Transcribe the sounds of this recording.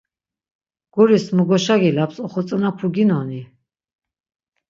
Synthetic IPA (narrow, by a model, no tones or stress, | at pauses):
ɡ̥ɔɾismuɡɔʃaɡilapsɔχɔt͡s̪ʼnapʰuɡinɔni